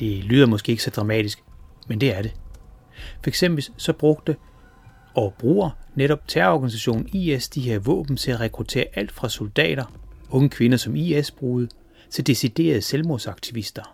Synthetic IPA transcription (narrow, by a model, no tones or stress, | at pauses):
d̥e̝lyːð̞ˠɐmɒ̽sɡ̥e̝ːe̝ɡ̥sɒ̽d̥ʁɑ̈mɛ̰ːd̥isɡ̥mend̥e̝æɐɾe̝ | fɒ̽eɡ̥sem̰b̥l̩sɒ̽b̥ʁɔ̽ɡ̥̚d̥ə | ɒ̽b̥ʁṵːɐneɾɒ̽b̥̚t͡sʰæɐɒɡ̥ænisæɕo̝̰ːn̩iesd̥iɦeɐʋɔ̰̽ːb̥n̩t͡sʰe̝æʁɛkʰʁut͡sʰe̝̰ːɐʔæl̰d̥fʁɑ̈suld̥ɛ̰ːɾ̥ɐɔ̽ŋəkʰʋe̝nɐsɒ̽miesb̥ʁuːð̞ˠ | t͡sʰed̥e̝sid̥e̝̰ːɐð̞̩ˠselmo̝sɑ̈ɡ̥t͡sʰiʋisd̥ɐ